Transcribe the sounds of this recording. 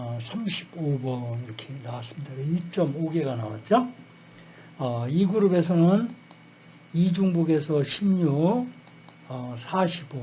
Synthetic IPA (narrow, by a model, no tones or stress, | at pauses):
ʌsʰamɕʰi̥bobʌniɾʌkʰe̞nawas͈ɯmɲidaɾeit͡ɕ͈ʌmoɡe̞ɡana̰wa̰t̚t͡ɕ͈o | ʌiɡuɾube̞sʰʌnɯn | id͡ʑuŋbuɡe̞sʰʌɕʰimɲu | ʌsʰaɕʰibo